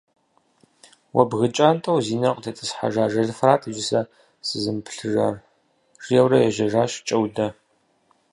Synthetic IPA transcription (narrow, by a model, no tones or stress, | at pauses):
wɐ̰bɣɨt͡ʃʼaːntʰʼɐwziːnɐqʼdʰɐtʼɨsħa̰ʒaːʒɐɮfraːtʰɨʒɪsɐ | sɨzɨmpʰɬɨʒɐr | ʐ̥jɛwrɐjɛʒɐʒaːɕʼt͡ʃʼɐwdɐ